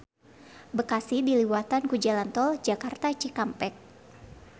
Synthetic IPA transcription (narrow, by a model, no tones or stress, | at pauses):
bəkasɪhdiliwat̪ankud͡ʒalant̪ɔld͡ʒakart̪at͡ʃikampɛk̚